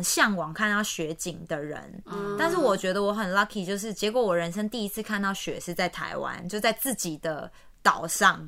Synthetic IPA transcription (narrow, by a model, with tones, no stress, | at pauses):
nɕjɑ˥˩ŋwɑ˨˩ŋkʰa˥˧nt̪ɑ˥˩ʊɕɥɛ˧˦t͡ɕi˨˩ŋd̪ə˨ɻə̰˧˦nt̪a˥˧nʂ̬ɻ̩˥˩wɔ˨˩t͡ɕɥɛ˧˥d̪ə˧wɔ˧˥xə˨˩nla˥kʰi˨˩t͡ɕjo˥˧ʊʂ̬ɻ̩˥˩t͡ɕjɛ˧˥kwɔ˨˩wɔ˨˩ɻə˧˦nʂ̬ə˥ŋt̪i˥˧i˦˥t͡sʰɹ̩˥˧kʰa˥˧nt̪ɑ˥˩ʊɕɥɛ̰˨˥ʂɻ̩˥˧t͡sa˥˩ɪt̪ʰa̰˧˥ɪwa̰˦˥nt͡ɕjo˥˧ʊt͡sa˥˧ɪt͡sɹ̩˥˩t͡ɕi˨˩d̪ə˦ | t̪ɑ˨˩ʊʂɑ˥˩ŋ